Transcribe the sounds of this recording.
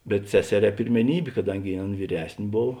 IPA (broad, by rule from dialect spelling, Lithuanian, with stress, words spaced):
bʲɛt ˈsʲæːsʲɛˌrʲɛː pʲɪrʲmʲɛˈnʲiːbʲeː kɐˈdɐŋʲɡʲɪ ˈɐˌn ʋʲiːˈrʲɛsʲnʲ ˈboːw